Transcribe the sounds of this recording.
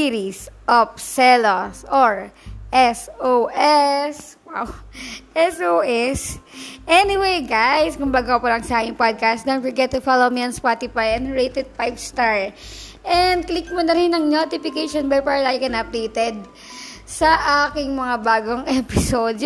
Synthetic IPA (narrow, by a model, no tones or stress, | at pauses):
iɾisʔopsɛlosʔoɹʔɛsoʔɛs | wawʔɛsʔoʔɛsʔɛnɪwejɡajskʊmbaɡaɐpɐlɐŋsɐʔaːkɪŋpod̪̚kast̪d̪ɛnfɔɹɡɛt̪ːʊfalomiɐnspat̪ɪfajɛ̃nd̪ɹejt̪ɛd̪̚pajbst̪aɹʔɛnd̪̚klik̚monɐɾɪnɐŋnot̪ɪfɪkejʃonbɐjpaɹɐlakɐnɐp̚d̪ejt̪ɛd̪̚ | sɐʔaːkɪŋmɐŋabaːɡoŋʔɛpɪsod̪̚